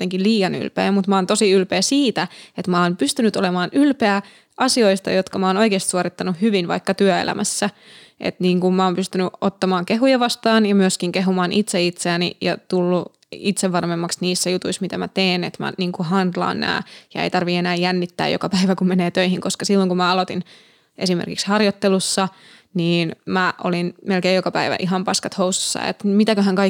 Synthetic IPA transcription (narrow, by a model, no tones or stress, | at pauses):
t̪eŋkilliːjɑny̰lpḛːmut̪mɑoːnt̪osiylpeːsiːt̪æet̪mɑoːmpyst̪ynyt̪olemɑːnʔylpeæ | ʔɑsioist̪ɑ̰jot̪kɑmɑoːnoikeːst̪suoɾit̪ːɑnuhyʋinʋɑ̰ikːɑt̪yœḛlæ̰mʔæsːæ | ʔḛt̪niːŋkummæoːmpyst̪ynyot̪ːɑmɑːŋkeɦujɑʋɑst̪ɑːnjɑmyøskiŋkeɦumɑːnʔit̪seit̪seænḭjɑt̪ulːu | it̪seʋːɑrmemːɑksniːsːæjut̪uismit̪æmæt̪eːnet̪mæ̰niːŋkuɦɑnt̪lɑ̰ːnːæ̰ːjɑ̰ḛjt̪ɑrʋienæːjænːit̪ːæ̰ːjo̰kɑpæiʋækummeneːt̪øihiŋkoskɑsilːoŋkumæɑlot̪in | ʔesimḛrkikshɑrjot̪ːelusːɑ | niːnmæʔo̰linmelkeːjokɑpæiʋæ̰ʔiɦɑmpɑskɑt̪housu̥sːɑ̰ḛt̪mit̪ækøɦæŋkɑ